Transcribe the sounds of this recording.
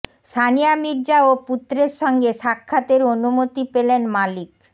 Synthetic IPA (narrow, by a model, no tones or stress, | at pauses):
ʃanijamiɾd͡ʑaoput̪ːɾeɾʃɔŋɡeʃakʰːat̪eɾonumot̪ipelenmalik